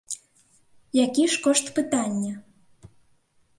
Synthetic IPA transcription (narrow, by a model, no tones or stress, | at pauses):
jakʲiʃkoʃt̪pɨt̪anʲːə